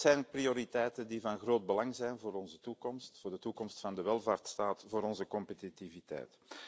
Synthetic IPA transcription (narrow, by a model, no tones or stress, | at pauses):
zɛjnprioːɾitɛjtəndivɑnɣroːd̚bəlɑŋzɛjnvoːɾɔnzətukɔmstfoːrdətukɔmstfɑndəʋɛlˠvaːrtstaːtvoːɾɔnzəkɔmpetitivitɛ̰jt